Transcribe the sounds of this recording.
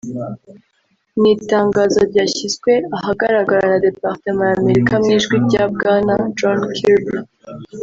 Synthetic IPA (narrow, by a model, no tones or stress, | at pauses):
niːtaːŋɡaːzo̞ɾɟaːçizɡwe̞aɦaɡaɾaɡaɾanade̞paʁtemaɾaːme̞ɾikamŋiːʒɡwiɾɟaːb̚ɡaːnad͡ʒɔnkʰiɾbi